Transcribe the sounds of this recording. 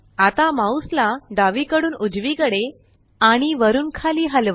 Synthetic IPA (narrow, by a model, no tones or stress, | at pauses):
at̪amauslad̪aʋikəɽuːnud͡zʋikəɽe | aɽ̃iʋəɾuːnkʰaliːɦəlʋə